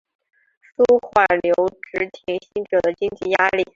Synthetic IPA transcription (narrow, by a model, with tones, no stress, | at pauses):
su˥xwa˨˩ljo˧˥ʊʈ͡ʂɻ̩˧˥t̪ʰi˧˥ŋɕi˥ŋʈ͡ʂɤ˨˩d̪ə˦t͡ɕi˥ŋt͡ɕi˥˩ja˥li˥˩